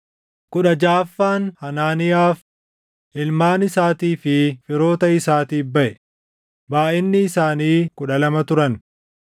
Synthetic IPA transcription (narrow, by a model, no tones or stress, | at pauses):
kʊᶑɐd͡ʒaːfːaːnhɐnaːnɪjaːf | ʔɪlmaːnɪsaːt̪iːfɪfɪɾo̞ːt̪ɐɪsaːt̪iːbɐʔɛ | baːʔɪnːɪːsaːniːkʊᶑɐlɐmɐt̪ʊɾɐn